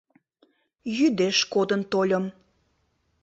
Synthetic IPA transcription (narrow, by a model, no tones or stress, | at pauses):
jyd̪eʃkod̪ənt̪olʲəm